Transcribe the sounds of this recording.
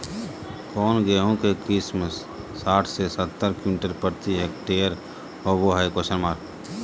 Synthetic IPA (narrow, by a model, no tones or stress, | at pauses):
kɔːnɡeɦõkekɪsməsː | aːʈʰsesət̪ːəɾkumiːʈəɾpəɾt̪iɦek̚ʈeːəɾ | ɦoboɦajkosənmaːɾ